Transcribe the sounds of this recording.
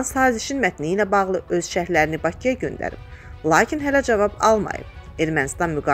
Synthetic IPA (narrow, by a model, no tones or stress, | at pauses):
nsɑːziʃinmæt̪ʰniilæbɑɣlˠɯʔø̞zʃæhlæɾinibɑcʰijɑɟø̞nd̪æ̰ɾḭb | lˠɑːcʰinɦælæd͡ʒævɑbɑ̰lˠmɑ̰jɯ̰b̥̚ | e̞ɾmænist̪ɑnmyɡɑ